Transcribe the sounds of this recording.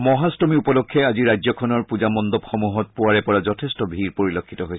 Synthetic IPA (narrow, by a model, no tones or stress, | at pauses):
mɔɦastɔmiupɔlɔkʰːɛaziɹajzɔkʰɔnɔɹpuzamɔnd̪ɔpxɔmuɦɔt̚puaɹɛpɔɹazɔtʰestɔbʱiɹpoɹilokʰːitɔɦojʰ